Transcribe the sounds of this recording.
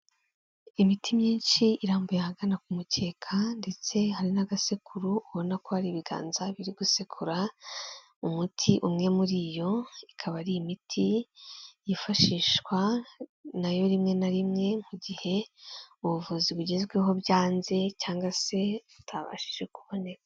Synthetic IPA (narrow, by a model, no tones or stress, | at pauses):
imitʰimɲiːnʃiiɾaːmbujahaɡanak̚umuce̞ːkʰande̞t͡se̞haɾinaɡasekʰuɾuuβo̞nako̞haɾiβiɡa̰ːnzaβiɾiɡusekʰuɾa | umutʰiʔumŋe̞muɾijo̞ikʰaβaɾimitʰi | jifaʃiːʃkwa | najo̞ɾimŋe̞naɾimŋe̞m̥uɟihe̞uβuvuziβuɟe̞zɡwe̞ɦo̞bjaːnze̞caːŋɡase̞utʰaβa̰ʃi̥ʒe̞kuβo̞ne̞ka